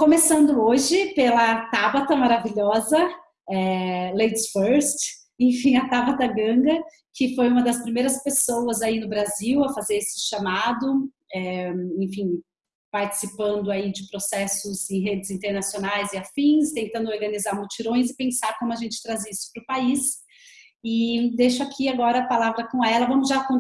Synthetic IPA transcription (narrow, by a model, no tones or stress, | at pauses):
kõmesɐ̃nd̪ʊoʒɪpelɐt̪abɐt̪ɐmaɾaviʎɔzɐ | ɛlejt͡ʃsfɛɾst͡ʃ | ẽj̃fĩj̃ɐt̪abɐt̪ɐɡɐ̃ŋɡɐ | kɪfojũmɐd̪ɐspɾimejɾɐspesowɐzainʊbɾaziwɐfazeɾesɪ̥ʃamad̪ʊ | ɛẽj̃fĩ | paɾt͡ʃɪ̥sipɐ̃nd̪ʊaid͡ʒɪpɾosɛsʊzẽj̃ɦed͡ʒɪzĩnt̪eɾnasionajzɪafĩst̪ẽnt̪ɐ̃nd̪ʊoɾɡɐnizaɾmut͡ʃiɾõj̃zɪpẽsaɾkõmʊaʒẽnt͡ʃɪ̥t̪ɾazisʊ̥pɾʊpais | ɪd̪ejʃʊakʰiaɡɔɾɐːpalavɾɐkõɛlɐvɐ̃mʊzʒakõ